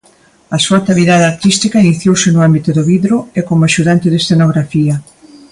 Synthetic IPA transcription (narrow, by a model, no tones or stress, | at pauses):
ɐsuat̪aβiðaðeaɾt̪ist̪ikɐiniθjowsɪnʊambit̪ʊðʊβiðɾʊekomʊaʃuðant̪ɪðesθenoɣɾafiɐ